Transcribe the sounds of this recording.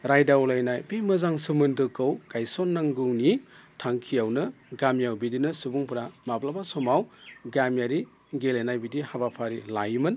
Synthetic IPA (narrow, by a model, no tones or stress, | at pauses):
ɾajdawlajnajbemɯzaŋsɯmɯndɯkɯwkajsonːaŋɡɯwnitʰaŋkʰijawnɯɡamjawbidinɯsubuŋpʰuɾamaplabasɔmawɡamjaɾi | ɡelajnajbidihabapʰaɾilajmɯn